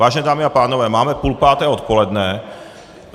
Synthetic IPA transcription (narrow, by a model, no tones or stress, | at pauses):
aːʒɛnɛːd̪aːmiapaːnɔʋɛːmaːmɛpulpaːt̪ɛːɔt̪̚pɔlɛd̪nɛ